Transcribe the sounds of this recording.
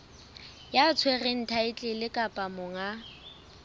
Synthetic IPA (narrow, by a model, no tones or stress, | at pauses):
jat͡sʰweren̩tʰaɪt͡ɬʼɪlɪkʼapʼamʊŋa